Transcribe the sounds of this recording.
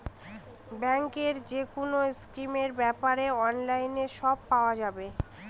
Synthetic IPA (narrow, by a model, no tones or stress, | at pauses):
bɛŋkeɾd͡ʑekonoskɾimeɾbɛpaɾeɔnlajneʃɔb̚paoad͡ʑabe